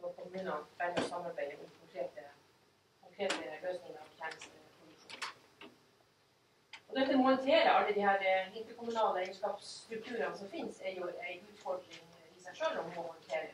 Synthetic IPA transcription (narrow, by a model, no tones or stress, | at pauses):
ɔpʰɔmʉnɑbæɾɔsɑmːɑɾbæɪəɪnkʰɔŋkʰɾeːt̪ə | kʰʊŋkʰɾeːt̪əløːsnɪŋəɾɑʋçæːɳəst̪əpʰʊd̪ɪʂuːnəɾ | ɔd̪ɛt̪ːəmʊnt̪ʰeːɾəɾɑlːəd̪ɪhæːɾɪnt̪əɾkʊmʉnɑːləɛɪɡəʂkɑːpst̪ɾʉk̚t̪ʰʉːɾɑnsɔmfɪnsɛɾjʊæɪʉːt̪fɔɖɾɪŋ | ɪsæɪʂøːlɔmmɔmʊɪnt̪ʰeːɾə̰